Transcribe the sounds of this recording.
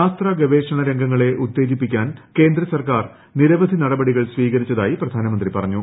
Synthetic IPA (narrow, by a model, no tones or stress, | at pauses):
aːst̪raːɡɐʋe̞ːʂɐɳɐɾeŋɡʱɐŋːɐɭe̞ʔut̪ːe̞ːd͡ʑipːikʲːaːnke̞ːnd̪rɐsɐrkaːr | niɾɐʋɐd̪ʱinɐɽɐbɐɽiɣɐɭsʋiːɣɐɾit͡ɕːɐðaːjiprɐd̪ʱaːnɐmɐnd̪ripɐrɐɲːu